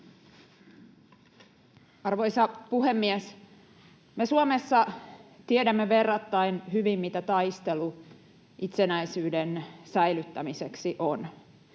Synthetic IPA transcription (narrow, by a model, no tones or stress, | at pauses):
ɑrʋo̞jsɑpuɦe̞mːies | me̞suome̞sːɑt̪iedæmːeʋe̞rːɑt̪ːɑinɦyʋimːit̪æt̪ɑjst̪e̞lu | ʔit̪senæjsyːdensæjlyt̪ːæmiseksiʔon